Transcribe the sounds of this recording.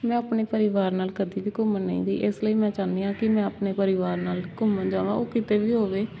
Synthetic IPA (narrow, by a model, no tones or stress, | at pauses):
mɛ̃ːapneːpəɾɪʋaːɾnaːlkəd̪iːʋiːkʊmənːə̰̃ḭ̃ːd̪ḭːʔɪsləiːmɛ̃ːt͡ʃaːnd̪iːãːkɪmɛ̃ːapneːpəɾɪʋaːɾnaːlkʊməd͡ʒaːʋã̰ːoːkɪt̪eːʋiːɦoːʋeː